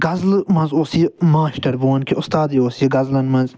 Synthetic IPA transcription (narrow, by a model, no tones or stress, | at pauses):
ɡɐzlmɐ̃nzoːsimaːʃʈɐɾbuːɐnkʰiʊst̪aːd̪ioːsiɡɐzlɐnmɐnz